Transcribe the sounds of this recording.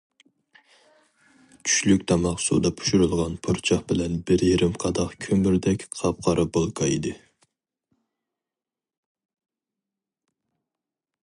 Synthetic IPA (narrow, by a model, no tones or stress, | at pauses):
t͡ʃʰy̥ʃlykʲt̪ʰɑmɑqsṵd̪ɑpʰu̥ʃuɾɨlˠʁɑnpʰuɾt͡ʃʰɑχbɪlɛnbɪɾjeɾɪmqʰɑd̪ɑχkʲʰømyɾd̪ɛkʲqʰɑp̚qʰɑɾɨbolˠkʰɑid̪ɨ